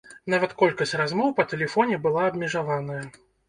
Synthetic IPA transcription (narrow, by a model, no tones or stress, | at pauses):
n̪avɐt̪kɔlʲkɐsʲt͡sʲrazmɔwpɐt̪ɛlʲɛfɔnʲɛbɨlˠaɐbmʲɛʐavanɐjɐ